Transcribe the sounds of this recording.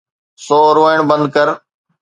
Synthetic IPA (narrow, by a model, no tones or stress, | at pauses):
soːɾoːɪɳ̃bə̃nd̪̚kəɾ